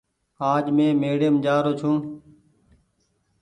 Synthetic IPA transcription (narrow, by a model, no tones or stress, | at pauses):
aːd͡ʒmẽːmeːɽijəmd͡ʒaːɾoːt͡ʃʰũː